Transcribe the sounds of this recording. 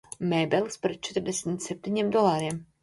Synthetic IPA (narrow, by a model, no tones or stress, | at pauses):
mɛːbɛlˠspɾɛt̪̚t͡ʃɛt̪ɾd̪ɛsmt̪sɛp̚t̪iɲimd̪ɔlˠaːɾiɛm